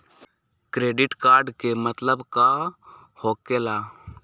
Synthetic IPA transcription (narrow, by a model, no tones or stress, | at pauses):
kɾeːɖɪʈkaːɾɖkemət̪ləbka | hoːkeːlaː